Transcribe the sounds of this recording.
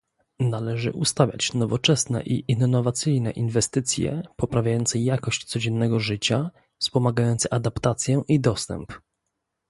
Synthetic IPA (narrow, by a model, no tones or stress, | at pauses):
nalɛʐɘ̰ʔust̪avʲja̰t͡ɕnɔvɔt͡ʂɛsnɛ̰ʔiʔinːɔvat̪sɘjnɛ̰ʔinvɛst̪ɘt̪sʲjɛ̰pɔpɾavʲajɔnt̪sɛjakɔɕt͡ɕt̪sɔd͡ʑɛnːɛɡɔʐɘt͡ɕa | fspɔmaɡajɔnt̪sɛʔad̪apt̪at̪sʲjɛʔid̪ɔst̪ɛ̰mp